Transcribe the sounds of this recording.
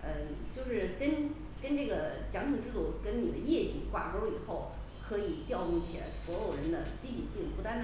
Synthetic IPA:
ə˥˧t͡ɕjo˥˧ʊʂɻ̩˥˩kə˥n | kə˥nʈ͡ʂɤ˥˩ɡə˩t͡ɕjɑ˧˥ŋt̪ʰi˧˥ŋʈ͡ʂɻ̩˥lu˨˩kə˥nni˨˩d̪ə˦jɛ˥˩t͡ɕḭ˨˩kwa̰˥˩ʈ͡ʂo˥ʊi˨˩xo˥˩ʊ | kʰɤ˧˥i˨˩t̪jɑ˥˧ʊtʊ˥˩ŋt͡ɕʰi˨˩la̰˧˥ɪswɔ˧˥jo˨˩ʊɻə˧˥nd̪ə˧t͡ɕi˥t̪ʰi˨˩ɕi˥˩ŋpu˧˥t̪a˥n

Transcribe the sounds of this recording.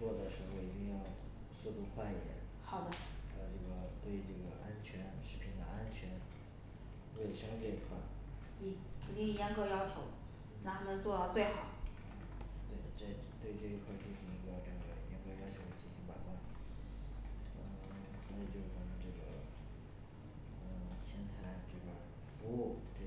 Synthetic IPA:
t͡swɔ˥˩d̪ə˩ʂɻ̩˧˥xo˥˩ʊi˧˥t̪i˥˧ŋjɑ˥˧ʊ | su˥˧t̪u˥˧kʰwa˥˧i˥˩jɛ̰˨˩˦nxɑ˨˩ʊd̪ə˦˥˧ʈ͡ʂɤ˥˩ɡə˩t̪we˥˧ɪʈ͡ʂɤ˥˩ɡə˩ʔa˥nt͡ɕʰɥɛ˧˥nʂɻ̩˧˥pʰi˧˥˩nd̪ə̰˧ʔa˥nt͡ɕʰɥɛ˧˥n | we˥˩ɪʂɤ˥ŋʈ͡ʂɤ˥˩i˧˥kʰwa˥˩ | i˧˥˩i˧˩t̪i˥˧ŋ˧˩jɑ˥ŋkɤ˥˧jɑ˥ʊt͡ɕʰjo˧˥˦ʊ | na˥˩t̪ʰa˥mə˧nt͡swɔ˥˧d̪ɑ˥˧ʊt͡swe˥˩ɪxɑ˨˩˦ʊ | t̪we˥˩ɪʈ͡ʂe˥˩˥t̪we˥˧ɪʈ͡ʂɤ˥˩i˧˥kʰwa˥˩t͡ɕi˥˩ɕi˧˥ŋi˧˥ɡə˧ʈ͡ʂɤ˥˩ɡə˩jɑ˥ŋkɤ˥jɑ˥ʊt͡ɕʰjo˧˥ʊd̪ə˧t͡ɕi˥˩nɕi˧˥ŋpa˨˩ɪkwa˥˩n | ə˥˧˩ | swɔ˧˥i˨˩t͡ɕjo˥˩ʊ˩ə˧˥n˧˩ʈ͡ʂɤ˥˩ɡə̰˩ | ə˧t͡ɕʰjɛ˥nt̪ʰa˧˥˩ɪʈ͡ʂɤ˥˩bə̰˨˩ | fu˧˥u˥˩ʈ͡ʂə˥˩

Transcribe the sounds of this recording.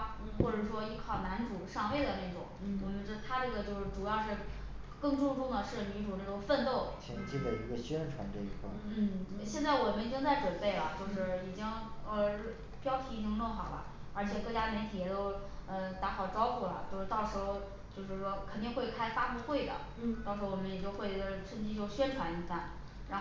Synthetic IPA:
n̩˥˩xwɔ˥˩ʈ͡ʂɤ˨˧˩ʂwɔ˥i˥˩kʰɑ˥˨˩ʊna˧˥nt͡su˨˩˦ʂɑ˥˧ŋwe˥˩ɪd̪ə˩ne˥˩ɪʈ͡ʂʊ˨˩˦ŋwɔ˨˩mə˦nt͡ɕɥɛ˧˥d̪ə˧t̪ʰa˥ə˧˥˧ə˧t͡ɕjo˥˧ʊʂɻ̩˥˩ʈ͡ʂu˨˩jɑ˥˧ʊʂɻ̩˥˧ | kɤ˥˧ŋʈ͡ʂʊ˥˧ŋʈ͡ʂʊ˥˩ŋd̪ə˩ʂɻ̩˥˩mi˧˥nʈ͡ʂu˨˩na˥˩ʈ͡ʂʊ˨˩ŋfə˥˧nt̪o˥˩ʊt͡ɕʰjɛ̰˧˥nt͡ɕi˥˩d̪ə˨˩i˧˥ɡə˧ɕɥɛ˥nʈ͡ʂʰwa̰˧˥nʈ͡ʂɤ˥˧˩ḭ˥˩kʰə̰˥˩n̩˥˩ɕjɛ˥˧nt͡sa˥˩ɪwɔ˨˩mə˦ni˨˩t͡ɕi˥ŋt͡sa˥˩ɪʈ͡ʂwə˨˩npe˥˩ɪlə˩t͡ɕjo˥˧ʊʂɻ̩˥˩i˨˩t͡ɕi˥ŋə˧˥ | pjɑ˥ʊt̪ʰi˧˥i˨˩t͡ɕi˥ŋʈ͡ʂɤ˥˩ŋxɑ˨˩ʊlə̰˦ | ə˞˧˥t͡ɕʰjɛ˨˩kɤ˥˧˩t͡ɕja˥mjɛ˧˥nt̪ʰi˨˩jɛ˨˩t̪o˥ʊ | ə˧t̪a˧˥xɑ˨˩ʊʈ͡ʂɑ˥ʊxu˥˩lɐ̰˩t͡ɕjo˥˧ʂɻ̩˥˧t̪ɑ˥˩ʊʂɻ̩˧˥xo˧ʊ | t͡ɕjo˥˧ʊʂɻ̩˥˩ʂwɔ˥kʰə˨˩nt̪i˥˧ŋxwe˥˧ɪkʰa˥ɪfa˥pu˥˧xwe˥˩ɪd̪ə̰˩ | t̪ɑ˥˩ʊʂɻ̩˧˥o˥˧wɔ˨˩mə˦njɛ˨˩t͡ɕjo˥˧ʊxwe˥˧ɪ˥˧˩t͡sʰə˥˧ŋt͡ɕi˥t͡ɕjo˥˧ɕɥɛ˥nʈ͡ʂʰwa˧˥ni˧˥fa˥˩n | ɻ

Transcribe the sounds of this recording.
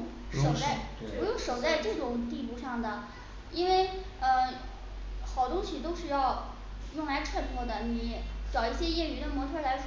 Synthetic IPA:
ŋ | ʂo˨˩ʊt͡sa˥˩ɪpu˧˥jʊ˥˩ŋʂo˨˩ʊt͡sa˥˧ɪʈ͡ʂɤ˥˩ʈ͡ʂʊ˨˩ŋt̪i˥˧pu˥˧ʂɑ˥˩ŋd̪ə˩ | i˥nwe˥˩ɪ | ə˧ | xɑ˨˩ʊt̪ʊ˥ŋɕi˨˩t̪o˥ʊʂɻ̩˥˧jɑ˥˧ʊ | jʊ˥˩ŋla˧˥ɪʈ͡ʂʰa˥˩pʰwɔ˥˩d̪ə˩ni˧˥ʈ͡ʂɑ˨˩ʊi˥˩ɕjɛ˥jɛ˥˩y˧˥d̪ə˩mwɔ˧˥ʈ͡ʂʰə˥la˧˥ɪ

